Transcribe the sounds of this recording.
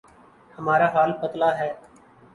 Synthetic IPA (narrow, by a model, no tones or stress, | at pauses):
həmaːɾaːɦaːlpət̪laːɦɛː